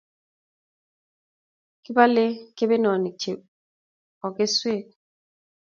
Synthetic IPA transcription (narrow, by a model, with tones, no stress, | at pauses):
kɪ˦ba˦lɪ˦ke˦be˦nɔ˨ni˨t͡ʃe˨ | ɔ˨kɪ˦swe˦˨t̚